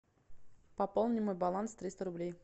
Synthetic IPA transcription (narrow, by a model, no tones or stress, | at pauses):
pɐpolˠnʲɪmojbɐlˠanst̪ɾʲist̪əɾʊblʲej